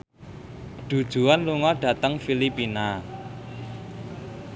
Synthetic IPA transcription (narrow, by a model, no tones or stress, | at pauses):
ɖ̪̥ṳd̥ʒ̥ṳanluŋɔɖ̥ä̤t̪əŋfilipina